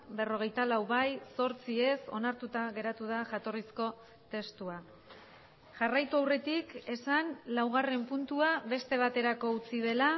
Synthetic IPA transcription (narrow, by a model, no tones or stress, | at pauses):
be̞ro̞ɣ̞e̞jt̪alawβajso̞ɾt͡sie̞so̞̰naɾt̪ut̪aɣe̞ɾat̪uðaʝat̪o̞risko̞ | t̪e̞st̪ua | ʝarajt̪uawre̞t̪ike̞sanlawɣ̞are̞mpunt̪uaβe̞st̪e̞β̞at̪e̞ɾako̞ut͡sið̞e̞la